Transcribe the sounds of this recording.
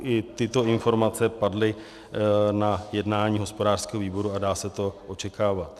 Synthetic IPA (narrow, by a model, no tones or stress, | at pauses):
ʔɪt̪ɪt̪o̞ɪnfo̞ɾmat͡sɛpadlɪ | najɛdnaːɲiːɦo̞spo̞daːr̥skɛːɦoviːbo̞ɾuadaːsɛt̪o̞ʔo̞t͡ʃɛkaːvat̪